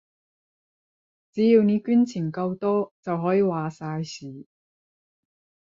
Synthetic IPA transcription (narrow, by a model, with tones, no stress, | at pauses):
t͡siː˨˥ji˧wniː˨˥kyː˥nt͡sʰiː˨˩nkɐ˧wt̪ɔː˥t͡sɐ˨wɦɔː˨˥jiː˨˧waː˨saː˧jsiː˨˩